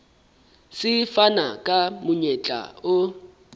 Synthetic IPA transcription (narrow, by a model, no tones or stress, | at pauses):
sɪfana̰kʼamʊɲɛt͡ɬʼa̰ʊ